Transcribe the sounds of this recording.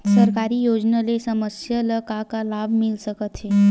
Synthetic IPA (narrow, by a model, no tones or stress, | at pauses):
səɾkaɾiːjod͡znəlesəməsjələkakalabmilsəkət̪ʰhe